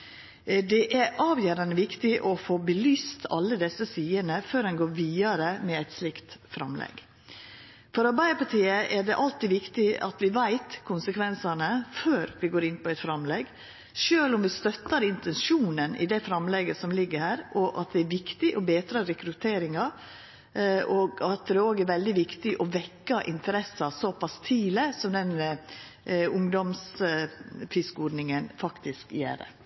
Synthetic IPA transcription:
d̪ɛʔæɾʔɑːʋjøːɾɑnd̪əʋɪkt̪ɪʔɔfoːbəlyːst̪ʰɑ̰lːəd̪ɛsːəsiːənəføːɾɛnɡoːɾʋiːɑɾəmɛæɪt̪slɪkt̪fɾɑ̰mlɛ̰ɡ | fɔɾɑɾbæɪd̪əpɑt̪ʰiːəʔæɖɛʔɑlt̪iːʋɪkt̪ɪʔɑ̰t̪ʋɪʋæɪt̪kʰʊnsəkʰʋɛnsɑnəføːɾʋɪɡoːɾɪnpɔæɪt̪fɾɑmlɛɡ | ʃøːlɔmʋɪst̪œt̪ːəɾɪnt̪ɛnʃuːnənɪ̰d̪ɛfɾɑmlɛɡəsɔmlɪɡːəɾhæːɾʔɔʔɑt̪̚d̪ɛæɾʋɪkt̪ɪʔɔbeːt̪ɾɑːɾɛkɾʉt̪ʰeːɾɪŋɑ | ʔɔɡɑt̪̚d̪ɛoːɡæɾʋɛld̪ɪʋɪkt̪ɪʔɔʋɛkːɑʔɪnt̪əɾɛsːɑsɔpɑst̪ʰiːləsɔmd̪ɛn | ʊŋd̪ɔms | fɪskuːɖnɪŋənfɑkt̪ɪskjæ̰ːɾə̰

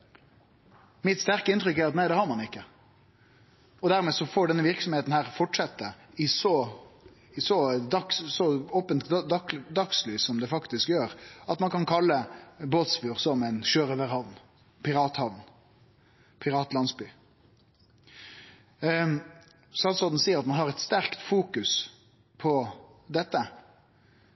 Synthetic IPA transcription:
mɪt̪st̪æɾkəɪnt̪ɾʏkːæɾɑt̪næɪɛhɑɾmɑnɪkːə | ɔd̪æɾmeːsɔfoːɖɛnːəʋɪɾksɔmheːt̪n̩hæːʁfɔʈʂɛt̪ːə | ɪsɔ | ɪsɔd̪ɑkssɔɔːpənt̪d̪ɑkslyːsɔmd̪ɛfɑkt̪ɪskjøːɾɑt̪mɑnkɑnkʰɑlːəboːt̪sfjuːʁsɔmæɪnʃøːɾəʋəɾhɑʋn | pʰɪɾɑːt̪hɑʋn | pʰɪɾɑːt̪lɑnsbyː | sɑlsɔd̪n̩siːəɾɑt̪mɑnhɑʁɛt̪st̪æɾkt̪fuːkʉs | pʰɔd̪ɛt̪ːə

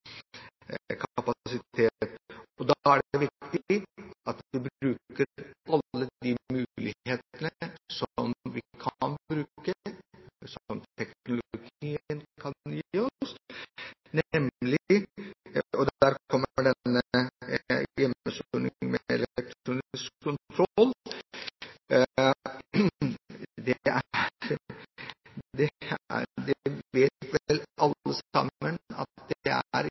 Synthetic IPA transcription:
kʰɑpɑsɪt̪ʰeːt̪ɔd̪ɑæɖʋɪkt̪ɪɑt̪d̪ɪbɾɾʉːkəɾɑlːəd̪imʉːlɪheːt̪ənəsɔmʋɪkʰɑnbɾʉːkə | smt̪ʰɛknʊlɡiːənkʰɑnjiːɔs | nɛmlɪ | ɔd̪æːɾkʰɔmːəɖɛːəə | jɛmːəsunɪ̰ŋmɛɛ̰lɛk̚t̪ɾuːnɪskʰːʊnt̪ʰɾɔl | d̪ɛæɾ | d̪ɛ | d̪ɛɛʋeːt̪ʋlʔɑlːəsɑ̰mːənɑ̰t̪d̪ɛæ̰ɾ

